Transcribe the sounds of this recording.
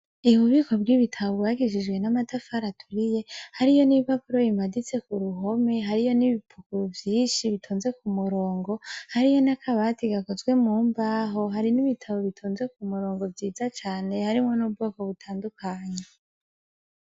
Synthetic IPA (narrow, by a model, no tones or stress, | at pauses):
iβuβiko̞bɡiβitʰaβoɡwaːɡiʃid͡ʒɡwe̞namatafaɾatʰuɾije̞haɾijo̞niβapuɾo̞jimadit͡se̞kuɾuɦo̞me̞ɦaɾijo̞niβipʰukuɾvjiːnʃiβitʰoːnze̞kumuɾo̞ːŋɡo̞haɾijo̞nakʰaβatiɡako̞zɡwe̞muːmbaːɦo̞ɦaɾiniβitʰaβo̞βitʰoːnze̞kumuɾo̞ːŋɡo̞vjiːzat͡ʃaːne̞haɾimŋo̞nub̚ɡokoβutʰaːndukʰaɲe